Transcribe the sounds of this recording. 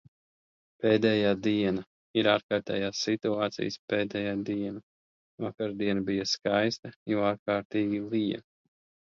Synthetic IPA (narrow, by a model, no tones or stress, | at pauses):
peːd̪ɛjaːd̪iɛna | iɾaːɾkaːɾt̪ɛ̰ːjaːsːit̪uaːt̪sḭjspeːd̪ɛjaːd̪iɛna | vakaɾd̪iɛnabijaskajst̪ɐjɔaːɾkaːɾt̪iːɡʲilˠijɐ̰